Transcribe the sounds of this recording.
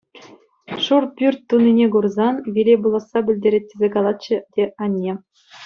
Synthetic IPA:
ʂurpʲyrʲt̚ʲt̪ːunːinʲeɡurzɑnʋʲilʲebulˠɑ̆sːɑbʲɘ̆lʲdʲeɾʲet̚ʲːezʲekɑlˠɑt̪̚t͡ɕɘ̆dʲeɑnʲːe

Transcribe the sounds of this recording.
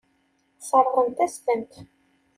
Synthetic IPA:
sˤəɾˤʁˤənt̪æst̪ənt̪

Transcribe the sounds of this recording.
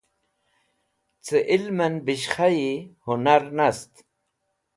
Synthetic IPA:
t͡sɨʔilmɐnbiɕχajihunaɾnɐst̪

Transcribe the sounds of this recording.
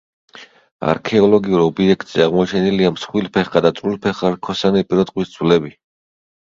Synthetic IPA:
a̰ɾkʰɛɔlɔɡiuɾɔbiɛkʰt̪ʼz̥ɛaʁmɔt͡ʃʰɛniliamsχwilpʰɛχkad̪at̪sʼvilpʰɛχaɾkʰɔsanɛpʼiɾɔt̪ʼqʼwistd̪sʰulɛbi

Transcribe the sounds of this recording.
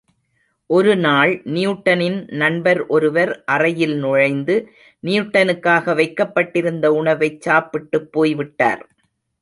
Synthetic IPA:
ʔɔɾɯnaːɭnɪjʊʈːɐnɪnnɐɳbɐɾʔɔɾɯʋɐɾʔɐrɐjɪlnɔɻɐɪnd̪ɯ | nijʊʈːɐnɯkːaːɣɐʋɐɪkːɐpːɐʈːɪɾɯnd̪ɐʊɳɐʋɐɪt͡ʃːaːpːɪʈːɯpːoːjʋɪʈːa̰ːɾ

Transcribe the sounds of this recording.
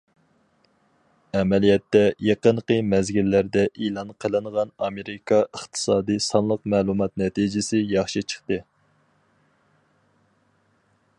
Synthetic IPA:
ɛmɛlijɛt̪ːɛjeqənqəmɛzɡʲilːæɾd̪ɛʔilˠɑnqʰəlˠɨɴʁɑnɑmeɾɪkʰɑʔəχt̪ʰɨ̥sɑːd̪ijsɑnlˠəqmɛːlˠumɑt̪nɛt̪ʰid͡ʒɪsɪjɑχʃit͡ʃʰə̥χt̪ɨ

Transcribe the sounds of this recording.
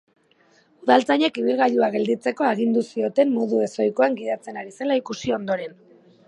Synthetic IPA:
uðalt͡saɲe̞kiβilɣajʎuaɣe̞ld̪it͡se̞ko̞aɣ̞ind̪usio̞t̪e̞mːo̞ðue̞so̞jko̞aŋɡiðat͡se̞naɾise̞laikusio̞nd̪o̞ɾe̞n

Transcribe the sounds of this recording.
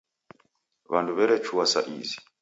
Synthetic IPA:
βanduβɛɾɛt͡ʃuwasa̰ʔḭzi

